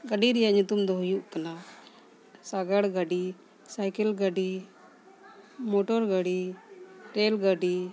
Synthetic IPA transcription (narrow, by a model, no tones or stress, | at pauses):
ɡəɖiɾijanit̪umd̪oɦjuʔkɐna | saɡəɽɡaɖi | sajkəlɡəɖi | moʈoɾɡəɽi | ʈelɡəɖi